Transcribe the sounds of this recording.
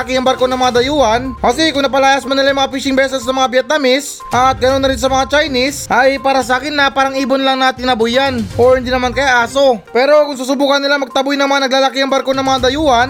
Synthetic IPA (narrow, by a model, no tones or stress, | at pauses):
akiɐŋbɐɾkonɐŋmɐŋad̪ɐjuɐnmɐsikʊŋnɐpɐlaːjasmɐnɪlajmɐŋapiːʃɪŋbɛːs̬ɛsnɐmɐŋabjɛt̪̚nɐmɪs | ʔɐt̪̚ɡɐnonːɐɾɪnsɐmɐŋat͡ʃajnisʔɐjpaːɾɐs̬ɐaːkɪnːɐpaːɾɐŋiːbonlaŋnaːt̪ɪŋɐbujanʔoɪnd̪inɐmankɐjaʔaːso̞pɛːɾo̞kʊŋs̬ɐsʊbuːkɐnːɪlamɐɡ̚t̪ɐbʊjnɐmɐanɐɡ̚laːlakiɐŋbɐɾkonɐŋmɐŋad̪ɐjuːʔɐn